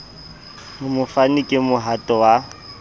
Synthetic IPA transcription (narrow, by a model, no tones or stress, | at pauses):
mʊmʊfanikʼɪmʊɦatʼɔwa